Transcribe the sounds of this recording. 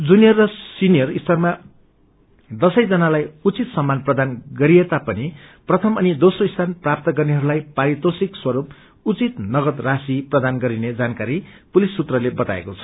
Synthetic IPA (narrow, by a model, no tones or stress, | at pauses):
d͡zunijʌrːʌsinijʌrist̪ʌrma | d̪ʌsʌjd͡zʌnalajut͡sit̪sʌmːanprʌd̪anɡʌɾiet̪apʌniprʌt̪ʰʌmʌnid̪osroist̪ʰanprap̚t̪ʌɡʌrneɦʌɾulajpaɾit̪osikswʌɾup | ut͡sit̪nʌɡʌt̪rasiprʌd̪anɡʌɾined͡zankaɾipulisːut̪rʌlebʌt̪a̰ḛkot͡sʰʌ̥